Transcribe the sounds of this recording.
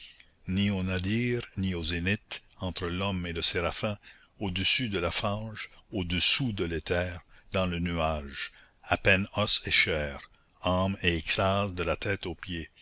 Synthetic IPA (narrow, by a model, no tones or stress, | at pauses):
nionad̪iːʁniozenɪt̪ɑ̃t̪ɾəlɔmeləseʁafɛ̃ | od̪əsyd̪əlafɑ̃ːʒod̪əsud̪əlet̪ʰɛːʁd̪ɑ̃lənyaːʒ | apɛnɔseʃɛːʁ | ameɛkst̪azd̪əlat̪ɛːt̪opje